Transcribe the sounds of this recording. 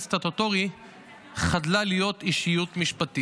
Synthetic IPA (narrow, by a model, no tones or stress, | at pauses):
st̪at̪ot̪oʁi | χadlalijo̞t̪iʃijutmiʃpat̪i